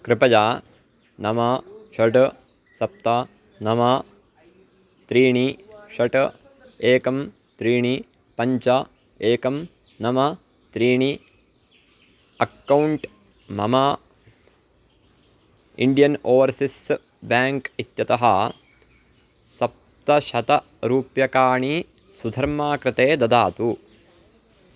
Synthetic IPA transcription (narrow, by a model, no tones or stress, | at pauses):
kɾɪpɐd͡ʒaː | nɐmaːʃɐʈ | sɐp̚t̪aː | nɐmɐ | t̪ɾiːɳiʃɐʈɐ | eːkɐm | t̪ɾiːɳi | pɐɲt͡ʃɐ | eːkɐm | nɐmɐ | t̪ɾiːɳi | ɐkːɐwuɳʈ | mɐ̰mɐ | ḭɳɖijɐnoːʋɐɾsis | baːŋkit̪jɐt̪ɐɦɐ | sɐp̚t̪ɐʃɐt̪ɐ | ɾuːpjɐkaːɳi | sud̪ʱɐɾmaːkɾɪt̪eːd̪ɐd̪aːt̪u